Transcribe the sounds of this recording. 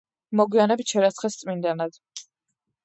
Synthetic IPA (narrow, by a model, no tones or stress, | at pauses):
mɔɡwianɛbit͡ʃʰɛɾat̪sʰχɛst̪sʼmind̪anad̪̥